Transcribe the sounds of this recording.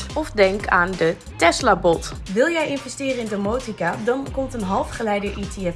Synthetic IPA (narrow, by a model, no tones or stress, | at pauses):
ɔfdɛŋkaːndə | tɛslabɔt | ʋɪlˠjɛjɪnvɛstɪːrəɪndəmowtikadɑnkɔmtənɦɑlˠfχəlɛjdəʔitʰeɛ